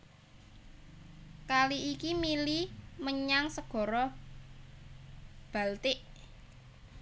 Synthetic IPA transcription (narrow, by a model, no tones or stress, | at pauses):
kaliʔikimiliməɲaŋsəɡ̥ɔ̤ɾɔ | b̥a̤lt̪ɪʔ